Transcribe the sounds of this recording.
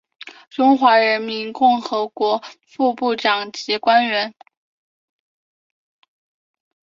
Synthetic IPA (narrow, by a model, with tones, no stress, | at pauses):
ʈ͡ʂʊ˥ŋxwa˧˥ɻə˧˥nmi˧˥nkʊ˥˩ŋxɤ˧˥kwɔ˧˥fu˥˧pu˥˩ʈ͡ʂɑ˨˩ŋt͡ɕi˧˥kwa˥nɥɛ˧˥n